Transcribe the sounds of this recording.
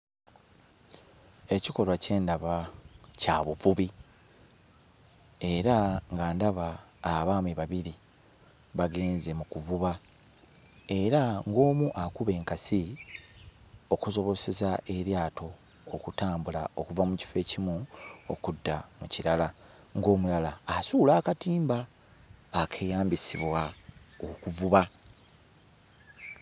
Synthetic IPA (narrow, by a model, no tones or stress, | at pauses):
e̞ciko̞lwace̞ːndaβacaβuvuβi | e̞ɾaŋɡaːndaβaː | βaːmiβaβiɾi | βaɡe̞ːnze̞mukuvuβa | e̞ɾaŋɡo̞ːmuʔakuβe̞ːŋkasi | o̞kuzo̞βo̞se̞zaʔe̞ɾjaːtʰo̞ː | kutaːmbula̰o̞kuvamuci̥fe̞ːcimuo̰kudːamuciɾala | ŋɡo̞ːmulalaːsuːlaːkatiːmbaː | kʰe̞ːjaːmbisiβwaokuvuβa